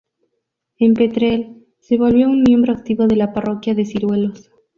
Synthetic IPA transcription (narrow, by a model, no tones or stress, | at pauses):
e̞mpe̞t̪ɾel | se̞βo̞lβjo̞unmje̞mbɾo̞ak̚t̪iβo̞ð̞e̞laparo̞kjaðe̞siɾwe̞lo̞s